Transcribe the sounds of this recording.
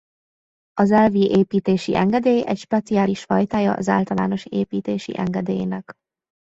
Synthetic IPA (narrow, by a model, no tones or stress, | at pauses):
ɒzɛlviʔeːpiːt̪eːʃḭʔɛŋɡɛd̪eːjɛcʃpɛt̪siaːliʃfɒjt̪aːjɒ̰ʔɒza̰ːlt̪ɒla̰ːno̞ʃḛːpiːt̪eːʃḭʔɛ̰ŋɡɛd̪eːjːnɛk